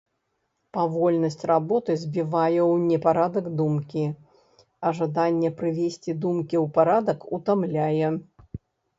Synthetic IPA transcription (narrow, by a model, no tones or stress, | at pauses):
pavɔlʲnɐsʲt͡sʲrabɔt̪ɨzʲbʲivajɛwnʲɛpaɾad̪ɐɡd̪umkʲi | ɐʐad̪anʲːɛpɾɨvʲesʲt͡sʲid̪umkʲiwpaɾad̪ɐkut̪amlʲajɛ